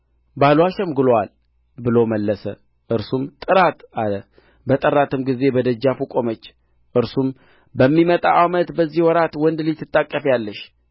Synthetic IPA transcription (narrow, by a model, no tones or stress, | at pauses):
balwaʃɛmɡɨlowal | bɨlo̞məlːəsə | ʔɨɾsumt̪ʼɨɾat̪alə | bət̪ʼərat̪ʰɨmɡize̞bəd̪əd͡ʒːafukʼomət͡ʃː | ʔɨɾsum | bəmːimət̪ʼa̰ʔamət̪bəzːihwɔɾat̪wɔnd̪lit̪ʰːɨt̪ʼːakʼːəfjalːəʃ